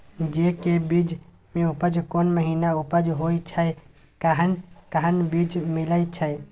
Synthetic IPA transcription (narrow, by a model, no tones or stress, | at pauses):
d͡ʒekebid͡ʒ | mẽupəd͡ʒkonməɦinaupəd͡ʒɦoit͡ʃʰə | kaɦənkaɦənbid͡ʒmiləjt͡ʃʰəe